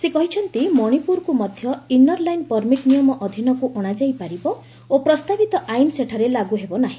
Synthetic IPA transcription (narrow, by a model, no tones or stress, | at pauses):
sekɔɦit͡ʃʰɔnt̪imɔɽ̃ipuɾkumɔd̪ʱjɔinɔɾlajnpɔɾmiʈnijɔmɔʔɔd̪ʱinɔkuʔɔɽ̃ad͡ʒajpaɾibɔ | opɾɔst̪abit̪ɔʔajnseʈʰaɾelaɡuɦebɔnaɦĩ